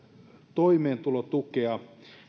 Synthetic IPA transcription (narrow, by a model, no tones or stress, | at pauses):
t̪oimeːnt̪ulot̪ukeɑ